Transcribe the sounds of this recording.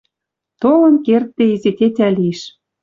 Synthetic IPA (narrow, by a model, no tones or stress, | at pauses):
t̪olɤ̆nkert̪ːeizet̪ʲet̪ʲæliʃ